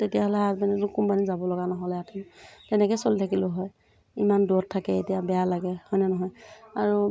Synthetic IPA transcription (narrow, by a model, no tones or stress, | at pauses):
tetijaɦɔlɛɦazbanɛtʊkumpanizabɔlɔɡanɔɦɔlɛatʰimtɛnɛkɛsolitʰakilʊɦɔj | imanduɔtʰːakɛḛtijabɛjalaɡɛhɔjnɛnɔɦɔjaɹu